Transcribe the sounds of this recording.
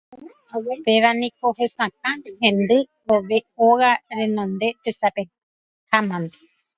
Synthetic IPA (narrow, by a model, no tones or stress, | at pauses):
awopeʋanĩkoɦesãk̚ãɦẽnd̪ɨ | oʋeoɣaɾẽnõnd̪et̪esape | hamãnd̪e̥